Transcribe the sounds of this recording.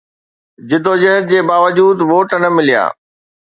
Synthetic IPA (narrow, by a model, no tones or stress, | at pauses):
d͡ʑɪd̪oːd͡ʑɐɦət̪̚d͡ʑeːbaːʋəd͡ʑuːd̪ʋoːʈnɐmɪlija̰ː